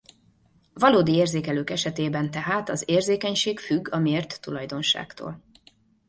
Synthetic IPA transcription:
vɒloːd̪ieːrzeːkɛløːkɛʃɛt̪eːbɛnt̪ɛɦaːt̪ɒzeːrzeːkɛɲʃeːkfyɡːɒmieːrt̪ːulɒjd̪o̞nʃa̰ːkt̪o̰ːl

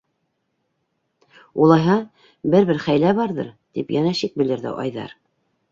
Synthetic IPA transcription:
ulˠɑjɦɑ | bɘɾβɘɾχæjlæβɑɾðɤ̰ɾt̪ipjænæʃik̚bɘ̆lɘ̆ɾðɘ̰ʔɑ̰jðɑ̰ɾ

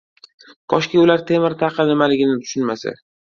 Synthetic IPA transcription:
t̪ʰɒʃkʲaʊlaɾt̪ʰe̞mɪɾt̪ʰɑqʰɨnɪmalɪɡʲɪnɪt̪ʰʊ̥ʃʊnmasa̰

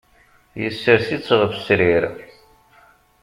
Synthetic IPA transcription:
jəsːəɾθit͡sːʁvəsɾiɾ

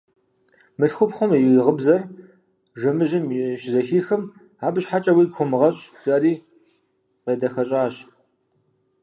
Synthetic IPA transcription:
mɨɬxʷʊpχʷʊmjʁəbzɐr | ʒʷɐmɨʒɪmjʃzɐxiːxɨm | aːbɨʃħat͡ʃʼɐwiːɡxʷʊmɨʁɐɕʼɕʼɐriː | qeːdɐxɐɕʼaːɕ

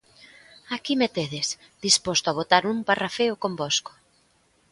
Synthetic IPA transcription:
akimet̪eð̞ɪs | ðispost̪oaβot̪aɾumparafeʊkombosko̥

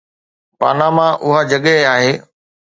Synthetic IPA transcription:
pa̰ːnamãʔʊɦad͡ʑɐɠəɦaːɦeː

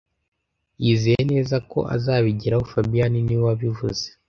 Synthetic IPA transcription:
jizejene̞ːzako̞̰ʔa̰zaːβiɟiɾahofabijaniniwaβivṵze

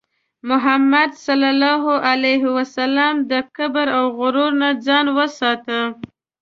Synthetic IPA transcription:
mʊɦamːad̪salalɑɦʊʔalajɦɪwasalamd̪əkabəɾawɣʊɾoɾnad͡zɑnwəsɑt̪ə

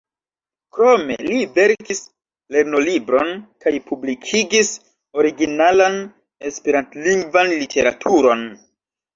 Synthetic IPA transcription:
kɾo̞me̞̰live̞ɾkis | le̞ɾno̞libɾo̞nkajpʰublikʰiɡis | o̞ɾiɡinalan | e̞speɾantliŋɡvanlitʰe̞ɾa̰tʰuɾo̞n

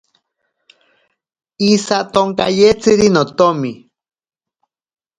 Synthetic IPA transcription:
isat̪oŋka̰jet͡sɨɾinot̪omi

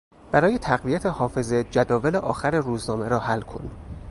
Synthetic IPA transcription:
b̥æɾɒːjet̪ʰæɣvijæt̪ʰehɒːfe̞zed͡ʒæd̪ɒːveleʔɒːxæɾeɾuːznɒːmeɾɒːhælːkʰo̰n

